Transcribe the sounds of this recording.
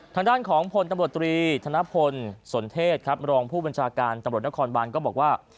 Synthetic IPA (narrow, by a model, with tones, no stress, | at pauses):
t̪ʰaː˧ŋdaː˥˩nkʰɔː˩˦ŋpʰo˧nt̪mɾu˨˩t̪ːɾiː˧t̪ʰa˧na˦˥pʰo˧nso˩˦nt̪ʰeː˥˩t̪̚kʰɾa˦˥p̚ɾɔː˧ŋpʰuː˥˩ba˧nt͡ɕʰaː˧kaː˧nt̪a˧mɾu˨˩t̪̚na˥kʰɔː˧nbaː˧nkɔː˥˩bɔː˨˩k̚waː˥˩